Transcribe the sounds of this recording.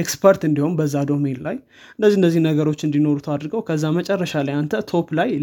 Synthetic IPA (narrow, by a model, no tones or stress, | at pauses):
ekspʰəɾt̪ɨnd̪iho̞nbəzːad̪o̞menlaj | ɨndəzːiɨndəzːihnəɡəɾo̞t͡ʃːɨnd̪ino̞ɾut̪ʰad̪ɾɡəwkʰəzːamət͡ʃʼɛrːəʃalajant̪ʰət̪ʰo̞pʰlaj